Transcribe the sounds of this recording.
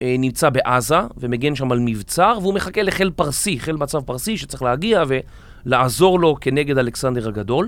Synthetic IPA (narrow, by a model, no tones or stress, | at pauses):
nimt͡sabe̞ʔazave̞meɡe̞nʃamalmivt͡saʁveume̞χake̞le̞χelpaʁsiχe̞lmat͡savpaʁsiʃe̥t͡saʁeiχlehaɡiave̞ | laazo̞ʁlo̞ke̞ne̞ɡe̞daleksande̞ʁhaɡad̪o̞l